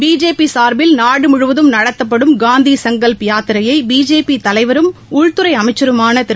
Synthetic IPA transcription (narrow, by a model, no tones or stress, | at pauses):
biːd͡ʒeːpːisaːɾbɪlnaːɽɯmʊɻʊʋɐðɯmnɐɽɐt̪ːɐpːɐɽɯmɡaːnd̪isɐŋɡɐlpɪjaːt̪ɪɾɐjɐɪbiːd͡ʒeːpit̪ɐlɐɪʋɐɾɯmʊɻt̪ɯɾɐɪɐmɐɪt͡ʃːɐɾɯmaːnɐt̪ɪ